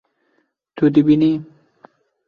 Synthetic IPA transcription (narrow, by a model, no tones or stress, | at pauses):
t̪ud̪̬ibini